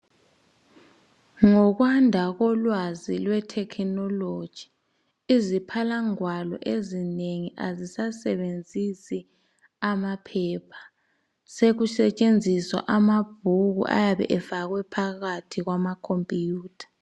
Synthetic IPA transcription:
ŋɔɣwandʱaɣɔlwazilwɛtʰɛkʰnɔlo̥ʒ̥ʱi̥ | izipʰalaŋwalɔ̰ʔezineŋiʔa̰zisasɛβend͡zʱisi | amapʰɛːpʰḁ | seɣusɛt͡ʃʼend͡zʱiswa̰ʔamab̥ʱuɣṵʔa̰jaβɛ̰ʔɛvaɣwɛpʰaɣatʰiɣwamakʰompʼijuːtʰḁ

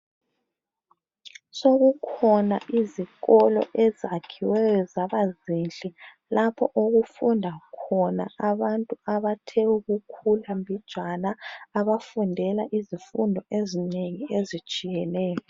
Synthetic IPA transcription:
soɣukʰɔna̰ʔiziɣɔlɔ̰ʔɛzakʰiwɛjɔzaβazint͡ɬʼɛ | lapʰɔʔoɣufundʱakʰɔnaaβantʼuaβatʰɛuɣukʰulambʱid̥ʒ̥ʱanaːβafundʱɛlaʔizifundʱɔʔezineŋiezit͡ʃʼijɛnɛːjɔ

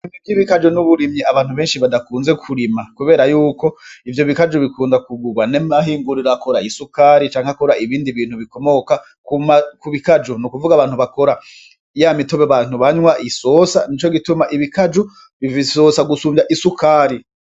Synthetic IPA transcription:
imibjiβikad͡ʒonuβuɾimɲiaβaːn̥huβe̞ːnʃiβadakuːnze̞kʰuɾimakuβe̞ːɾajuːko̞ivjo̞βikad͡ʒuβikuːndakuɡuɡwanemaɦiːŋɡuɾiɾako̞ɾaisukaːɾit͡ʃaːŋheakoɾaiβiːndiβiːn̥huβiko̞mo̞ka | kumakuβikad͡ʒunukuvuɡaβaːn̥huβako̞ɾa | jamitoβeβan̥huβaɲwaʔisosanit͡ʃo̞ɡitumaʔiβikad͡ʒu | βivisosaɡusuːmaʔisukaːɾi

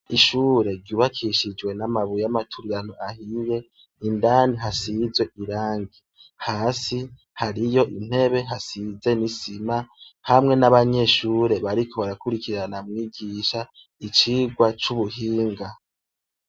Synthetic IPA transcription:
iʃuːɾe̞ɾɟuːβakʰiʃid͡ʒwe̞namaβujamatʰuɾiɾanoʔahije̞ | indaːniɦasizwe̞ʔiɾaːŋɡi | haːsi | haɾijo̞ʔin̥he̞βe̞ɦasize̞nisimahamŋe̞naβaɲe̞ʃuːɾe̞βaɾikʰo̞βaɾakuɾikiɾanamŋiːɡiːʃa | it͡ʃiːɡwat͡ʃuβuhiːŋɡa

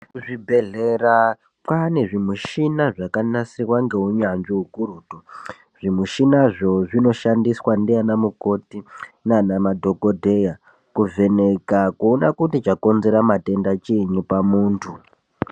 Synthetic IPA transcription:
ʐibʱe̞ɮera | pwane̞ʐimuʃinaʐakanasirwaŋɡe̞uɲand͡ʒiukuɾuːtu | ʐ̥imuʃinaʐo̞ʐino̞ʃandiswandijanamuko̞tinanamadʱo̞ko̞dʱeja | kuve̞ne̞kakuonakutit͡ʃako̞nze̞ɾamate̞ndat͡ʃiɲupamuːntʰu

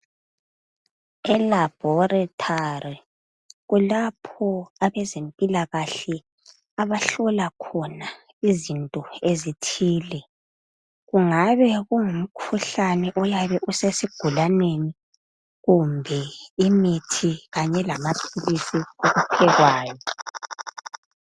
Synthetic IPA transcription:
ɛlab̥ʱɔratʰari | ɣulapʰɔaβɛzempʼilaɣaɬɛ | aβaɬɔlakʰɔna | izintʼɔezitʰiːlɛ | ɣuŋaβɛɣuŋum̩kʰuɬanɛʔɔjaβɛʔusesiɡ̥ʱulaneni | ɣumbʱɛimitʰiɣaɲɛlamapʰilisioɣupʰɛɣwaːjɔ

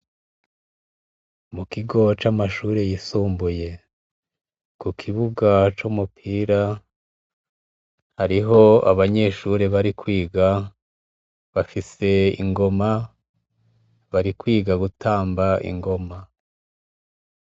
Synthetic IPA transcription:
mukiɡo̞t͡ʃamaʃuːɾejisuːmbuje̞ | kukʰiβuɡat͡ʃumupʰiːɾa | haɾiɦo̞a̰βaɲe̞ʃuɾeβaɾikwiːɡa | βafise̞ḭŋɡo̞ma | βaɾikwiːɡaɡutaːmbaʔḭŋɡo̞ma

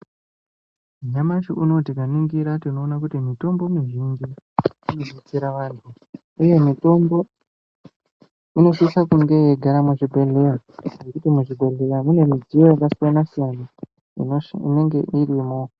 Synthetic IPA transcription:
ɲamaʃiʔuno̞tikaniŋɡiɾatino̞ːnakutimito̞mbo̞miʒind͡ʒi | inozit͡siɾaʋaːntʰu | uje̞mito̞mbo̞ | ino̞ʂisakuŋɡe̞jeɡʱaɾamuʐibʱeɮeja | je̞kutimuʐibʱe̞ɮe̞jamune̞mid͡zijo̞jakasijanasijana | ḭine̞ŋɡe̞ʔirimo̞

